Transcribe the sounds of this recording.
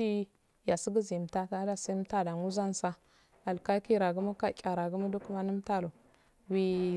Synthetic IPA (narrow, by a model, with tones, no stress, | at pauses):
i˦ | ja˨si˦ɡə˦zi˨m˨ta˦ta˦da˦sa˦m˦ta˦˨da˨ŋu˦za˦n˦sa˦ | a˨lka˦ki˦ɾa˨ɡu˦ma˦ka˦kʲʼa˨ɾa˨ɡu˦ma˦du˦ku˦ma˦nu˦m˦ta˦˨lo˨ | wi˦